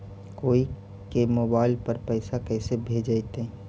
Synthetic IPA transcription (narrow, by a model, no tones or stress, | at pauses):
koːi | kemoːbaːɪlpəɾpəɪsakɛɪsebʱeːd͡ʒaɪt̪ẽ